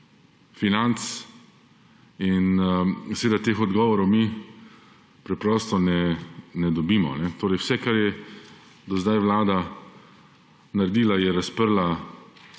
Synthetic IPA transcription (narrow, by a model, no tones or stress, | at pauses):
finant̪s | insɛʋeːd̪at̪eːxɔd̪ɡɔːʋɔɾɔwmi | pɾɛpɾɔːst̪ɔnɛnɛd̪ɔbiːmɔ̰nɛt̪oːɾɛjwsɛkaɾjɛ | d̪ɔzd̪ajʋlaːd̪a | naɾɛd̪iːlajɛɾaspəɾla